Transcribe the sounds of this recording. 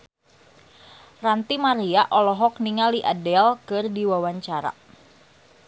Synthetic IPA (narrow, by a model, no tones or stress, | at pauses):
rant̪imaɾiaʔɔlɔɦɔk̚niŋaliʔadɛlkɨrdiwawaɲt͡ʃaɾa̰